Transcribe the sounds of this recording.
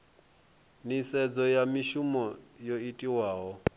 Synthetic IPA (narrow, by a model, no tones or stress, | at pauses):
nisɛd͡zɔjamiʃumɔjoitʼiwaːɦɔ